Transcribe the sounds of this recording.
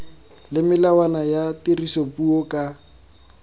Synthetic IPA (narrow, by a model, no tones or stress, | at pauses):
lɪmɪlawanajatirisopuɔkʼa